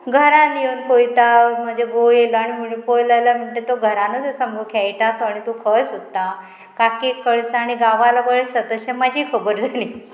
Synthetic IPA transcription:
ɡʱəɾanjewnpojt̪am̤əd͡ʑʱeɡojeloaɽ̃imiɳpojlalam̤iɳʈet̪ːoɡʱəɾanot̪əsəmɡəkʰajʈat̪aɽ̃it̪okʰəsod̪t̪a | kakekʰəɭsaɽ̃iɡaʋalapəɡesət̪əɕẽmad͡ʑʱiːkʰəbəɾd͡zʱaliː

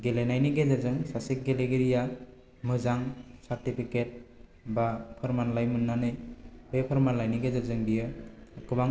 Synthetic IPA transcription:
ɡelenajniɡezazɯŋsasik̚ɡeleɡiɾija | mɯzaŋsaɾtipʰiket̚ | bapʰɔɾmanlajmɯnːanɯjbepʰɔɾmanlajniɡezazɯŋbijɯːkʰɯbaŋ

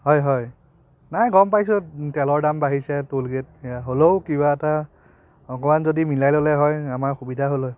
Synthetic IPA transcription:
ɦɔjɦɔj | najɡɔmpajsʊ̃tɛlɔɹdambaɦisɛtolɡet̚aɦoloʊkibaɛta | ɔkɔmanzodimilajlolɛɦɔjamaɹxubidʱaɦolo

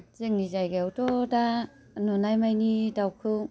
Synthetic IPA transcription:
zɯŋnizajɡawtɔda | nɔnajmajnidawkʰɯw

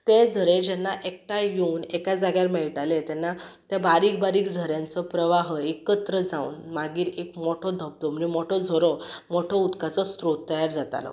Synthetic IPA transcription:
t̪ed͡zʱəɾed͡ʑɛnːaʔek̚ʈajounekad͡zaɡjaɾmɛɭʈalet̪ɛnːat̪jabaɾiːk̚baɾiːkd͡zʱəɾjãnt͡sɔpɾəʋaɦekət̪ɾəd͡zaṵːnmaɡiːɾekmoʈʰɔd̪ʱəb̚d̪ɔm̤ənimoʈʰɔd͡zʱɔɾɔmoʈʰɔut̪kat͡sɔst̪ɾot̪ːəjaɾd͡zat̪a̰lɔ̰

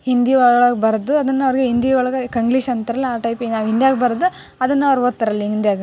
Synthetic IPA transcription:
hind̪iʋɐɭɐɭɐɡbɐɾɐd̪uɐd̪ɐnːɐʋɾiɡeɦind̪iʋɐɭɐɡɐkɐŋɡliʃɐnt̪ɐɾɐlːiaːʈɐjpinaːʋɦind̪jaːɡbɐɾɐd̪u | ɐd̪ɐnːɐʋɐɾot̪ːɐɾɐlːiɦind̪jaːɡɐ

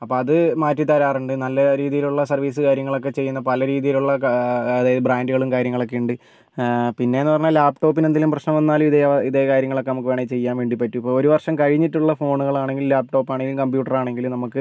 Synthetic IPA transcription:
ɐpːo̞ːɐðɨmaːtːit̪ɐɾaːruɳɖɨnɐlːɐɾiːðijiluɭːɐsɐrʋiːs̬ɨkaːɾjɐŋːɐɭo̞k̬ːe̞t͡ɕe̞jːunːɐpɐlɐɾiːðijiluɭːɐɐðaːjɐðɨbraːnduɣɐɭumkaːɾjɐŋːɐɭo̞k̬ːe̞uɳɖɨ | pinːe̞enːɨpɐrɐɲːalaːp̚ʈo̞ːpːinenilumprɐɕnɐmʋɐnːaːlumiðeiðeːkaːɾjɐŋːɐɭo̞kːe̞nɐmukːɨʋeːɳet͡ɕe̞jːaːnʋe̞ːɳɖipɐtːuipːoːɭoɾuʋɐrʂɐmkɐɻiɲːiʈːuɭːɐfo̞ːɳuɣɐɭaːɳe̞ŋɡillaːp̚ʈo̞ːpːaːɳeŋɡilumkɐmpjuːʈːɐraːɳe̞ŋɡilumnɐmukːɨ

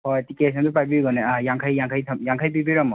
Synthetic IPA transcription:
pʰɔetikes̬ʰɔntupajbiɡɔnaajaŋkʰajːaŋkʰajtʰamjaŋkʰajbibiɾɔmɔ

